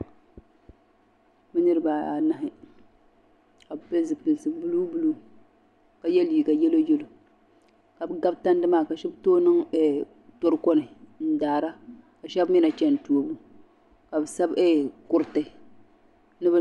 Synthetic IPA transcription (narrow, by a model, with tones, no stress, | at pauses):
bɨ˦nɨ˦ɾɨ˦baː˨a˨na˦ɦɪ˨ | ka˨be˦zɨ˨pɨ˨lsɨ˨bu˦lu˦bu˦lu˦ | ka˨jɛ˦liː˨ɡa˨jɛ˦lo˦jɛ˦lo˨ | ka˨bɨ˦ɡa˦bta˦n˦dɨ˦maː˦˨ka˨ʃɛ˦btoː˦nɨ˦ŋɛ˨ | to˦ɾɨ˦kɔ˦nɨ˨n̩˦daː˨ɾa˦ka˨ʃɛ˦bmi˦na˨t͡ʃɛ˦n˨tu˨o˨bu˦ | ka˨bɨ˨sa˦bɛ˦kʊ˦ɾtɨ˨ | nɨ˦bɨ˦